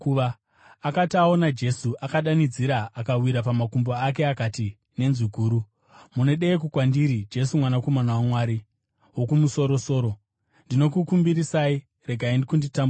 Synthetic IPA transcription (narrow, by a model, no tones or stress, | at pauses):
kuʋaː | katiao̞nad͡ʒe̞suʔakaɗanid͡ziɾaʔːkawiɾapamakumboak̬e̞akati | ne̞nziɡʱuːɾu | mune̞ɗeːkukwandiɾid͡ʒe̞sumwanako̞manawamwaːɾi | wo̞kumuso̞ɾo̞so̞ːɾo̞ | ndino̞kukumbiɾisai | re̞ɡʱaindikunditambu